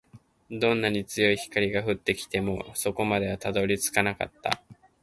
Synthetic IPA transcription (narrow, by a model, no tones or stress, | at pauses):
d̪õ̞nːaɲ̟it͡sɨjo̞içi̥kaɾʲiɡaɸɯ̟t̪ːe̞kʲi̥t̪e̞mo̞so̞ko̞mad̪e̞βat̪ad̪o̞ɾʲit͡sɨ̥kanaka̰t̪ːa̰